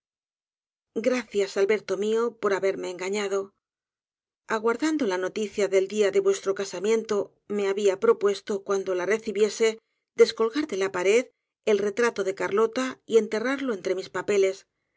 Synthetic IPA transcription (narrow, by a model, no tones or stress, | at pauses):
ɡɾaθjasalβe̞ɾt̪o̞mio̞po̞ɾaβe̞ɾme̞ːŋɡaɲaðo̞ | aɣwaɾðand̪o̞lano̞t̪iθjaðe̞ld̪iaðe̞βwe̞st̪ɾo̞kasamje̞nt̪o̞ | me̞aβiapɾo̞pwe̞st̪o̞kwand̪o̞lare̞θiβje̞se̞ | d̪e̞sko̞lɣaɾðe̞lapaɾe̞ð | e̞lre̞t̪ɾat̪o̞ðe̞kaɾlo̞t̪aie̞nt̪e̞raɾlo̞e̞nt̪ɾe̞mispape̞le̞s